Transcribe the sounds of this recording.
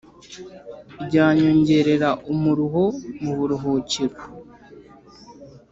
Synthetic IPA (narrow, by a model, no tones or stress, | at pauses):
bɟaːɲo̞ɲɟe̞ɾe̞ɾaʔumuɾuɦo̞muβuɾuɦoceɾo